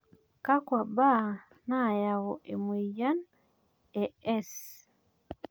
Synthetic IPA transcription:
ka˦kwa˨ba˦ | na˦˨ja˨wo˨ʔe˨mwe˨ja˦n | e˨ɛ˦s

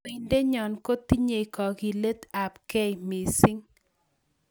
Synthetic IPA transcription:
i˨nde˦ɲɔ˨nko˦t̪i˦ɲe˨i˨kɔ˨ɡi˨le˦t̪a˨pkɛ˦jmi˨sɪ˦ŋ

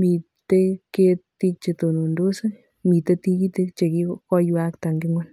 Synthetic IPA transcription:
mi˨ | te˦te˦ti˦k̚t͡ʃe˨to˨nu˨ndo˦sa˦ | mi˨t̪e˦t̪i˦ki˦t̪e˦k̚t͡ʃe˨ki˦kɔ˦jwa˦kta˨ŋɡɪ˦ŋɔ˦n

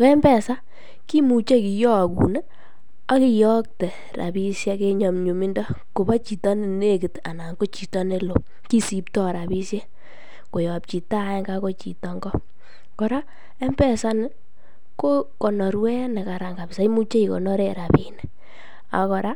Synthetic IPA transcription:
kɔ˦ɛ˦mbɛ˦˨sa˦ | ki˦mu˨t͡ʃe˦ki˨jɔ˦˨kṵ˨nɛ˦ | a˦ki˨jɔ˦k̚tɛ˨ | ra̰˨bi˦sja˦ke˦ɲɔ˨mɲu˨mi˦ndɔ˦ko˨ba˦t͡ʃi˨tɔ˦n˦˨ne˦ki˨ta̰˨na˨ŋɡo˦t͡ʃi˨tɔ˦ne˦lo˨ | ki˦si˨ptɔ˦ɾa˨bi˦sje˦ | ko˨jɔ˨p̚t͡ʃi˨ta˦ɛ˦ŋɡa˦ko˦t͡ʃḭ˨tɔ˦ŋɡɔ˦ | kɔ˨ɾa˦ | ɛ˦mbɛ˦sa˦nɪ˦ | ko˦kɔ˨nɔ˨ɾwɛ˦nɛ˨ka˨ɾa˨ŋɡa˨bsa˨i˦mu˦t͡ʃe˦i˨kɔ̰˨nɔ˦ɾe˦˨ɾa˨pi˨nɛ˨ | a̰˨kɔ˨ɾa˦

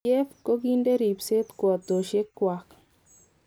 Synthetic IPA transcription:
ɛ˦fko˦ki˦nde˦ɾi˨pse˦t̪kwɔ˨t̪o˨ʃe˦kːwa˨k

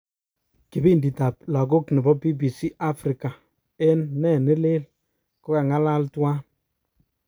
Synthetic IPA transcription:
kɪ˨bi˦ndi˨ta˨p̚la˨ɡo˦knɪ˨bɔ˦bi˦bi˨si˦ʔa˦fɾi˨ka˨ | ɛ˦nːɛ˦˨nɪ˦lɪ˦l | kɔ˦ka˨ŋa˦la˦ltwa˦

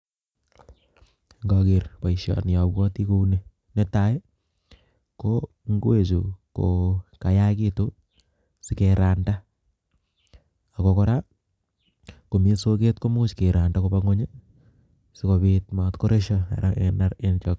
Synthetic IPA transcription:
ŋɡɔ˨kɪ˨ɾpa˨iʃɔ̰˨nja˨bwɔ˦ti˦ko˦u˦ne˦ | ne˦ta˨˦j | ko˦ | ŋɡwe˦˨t͡ʃu˨ko˨ka˨ja˦kɪ˦to˦ | sɪ˦ke˨ɾa˨nda˦ | a˨ko˨kɔ˦ɾa˦ | ko˨mi˦so˦ke˦tko˦mʊt͡ʃke˨ɾa˨nda˦ko˦paŋo˦ɲa˦ | sɪ˦ko˨βɪtma˨tko˦ɾe˦ʃaa̰˨ɾaʔe˨na˦ɾent͡ʃɔ˨k

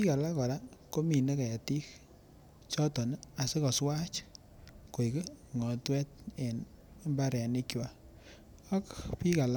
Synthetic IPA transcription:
pi˦ka˨la˦kɔ˨ɾa˦ko˦mi˨ne˦ka˨a˨ti˦k | t͡ʃɔ˦tɔ˨n˦a˨se˦kɔ˨swa˦t͡ʃ | ko˨i˨ke˦ŋɔ˨twɛ˦t̚e˨ne˦mba˦ɾɛ˨a˨ni˦kja˨ | a˦kpi˦ka˨la˦

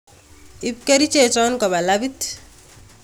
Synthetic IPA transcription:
i˦p̚ke˦ɾi˦t͡ʃe˨t͡ʃɔ˦nkɔ˨ba˨la˦bi˦t

